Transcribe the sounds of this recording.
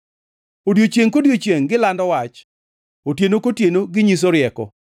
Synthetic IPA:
odjot͡ʃjeŋkodjot͡ʃjeŋɡɪlandɔwat͡ʃ | otjenokotjenoɡɪɲis̬oɾɪɛkɔ̰

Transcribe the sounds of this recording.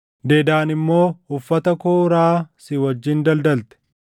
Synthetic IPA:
d̪e̞ːd̪aːnɪmːo̞ːʊfːɐt̪ɐkoːɾaːsɪwɐd͡ʒːɪnd̪ɐld̪ɐlt̪ɛ̥

